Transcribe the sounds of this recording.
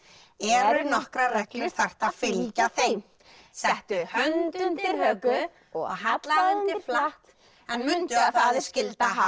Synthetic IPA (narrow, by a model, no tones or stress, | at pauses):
ɛɾʏnɔhkɾarɛklʏɾ̥θɛr̥t̪afɪlcaθejm | sɛht̪ʏhœnt̪ʏnt̪ɪɾhœkʏ | ɔɔɣɦat̪laɪnt̪ɪɾflaht̪ | ɛnmʏnt̪ʏaθaːðɪ̥scɪlt̪a